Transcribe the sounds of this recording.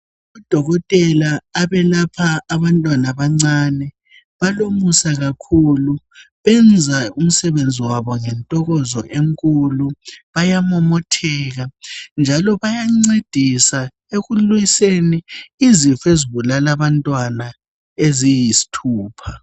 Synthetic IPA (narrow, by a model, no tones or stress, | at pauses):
ud̥ʱɔɣɔtʼɛlaːβɛlapʰaːβantʼwanaβaŋ͡ǀaːnɛ | βalomusaɣakʰulu | βɛnd͡zʱaum̩sɛβend͡zʱiwaβɔŋɛntʼɔɣɔzɔ̰ʔeŋkʼuluβajamɔmɔtʰɛːɣand͡ʒʱalɔβajaŋ͡ǀed̥ʱisa | eɣuluiseniːzifeziβulalaβantʼwana | ezijisi̥tʰuːpʰa